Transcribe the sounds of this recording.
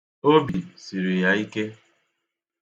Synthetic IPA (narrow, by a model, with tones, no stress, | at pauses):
o˦bi˨si˨ɾi˨ja˨i˦ke˦